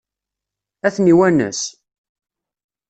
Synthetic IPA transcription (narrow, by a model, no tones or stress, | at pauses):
æθniwænə̰s